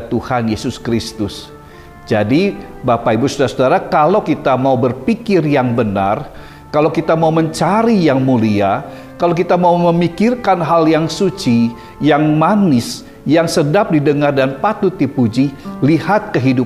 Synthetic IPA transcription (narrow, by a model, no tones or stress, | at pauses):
t̪uhanjesʊskɾist̪ʊs | d͡ʒadibapaibusudaɾasudaɾakalawkit̪amaubərpikɪrjaŋbəna̰r | kalakit̪amauməɲt͡ʃaɾijaŋmulia | kalawk̬it̪amauməmikɪrkanɦaljaŋsut͡ʃi | jaŋmanɪs | jaŋsədap̚didəŋardanpat̪ut̪ipud͡ʒilihat̪̚kəɦidu